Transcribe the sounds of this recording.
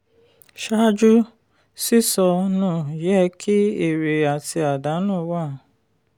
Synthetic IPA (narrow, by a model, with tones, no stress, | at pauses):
ʃa˦d͡ʒu˦ | si˦sɔ˧nũː˦˨jɛ˦kʰi˦e˦˨ɾe˨a˨ti˧a˨da˨˦nũː˦˨˦wa˦˨